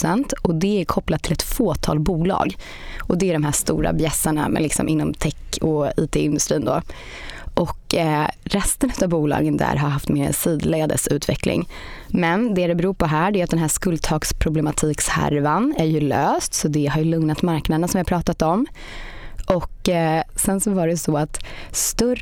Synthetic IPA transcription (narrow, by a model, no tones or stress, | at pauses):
sɛnt̪ɔd̪ɛæɾkʰɔplat̪ʰːɪlɛt̪foːt̪ʰɑ̰ːlbuːlɑ̰ːɡ | ɔd̪ɛæɖɔmɦæːʂt̪ṵːɾa̰bjɛsːaɳa̰mɛ̰lɪksɔ̰mʔɪnːɔmt̪ʰɛkːɔiːt̪ʰeːɪnd̪ɵst̪ɾiːnd̪o̰ː | ʔɔk | ɾɛst̪ənʉ̟ːt̪ːavbuːlɑ̰ːɡənd̪æ̰ːɾɦaɾɦaft̪meːɾɛ̰siːd̪leːd̪ə̰sʉ̟ːt̪ʰvɛ̰klɪ̰ŋmɛnd̪ɛɾɛbɛɾuːɾpʰɔɦæːɖɛːat̪̚d̪ɛnɦæːʂkɵld̪̚t̪ʰɑːkspʰɾʊblɛmat̪ʰiːkshæ̰ɾvanæɾjɵløːst̪sɔd̪ɛɦaɾjɵlɵŋnat̪maɾknad̪əɳasɔmvɪhapʰɾɑːt̪at̪ɔm | ʔɔkːsɛnsɔvaɖɛsɔat̪st̪ɵ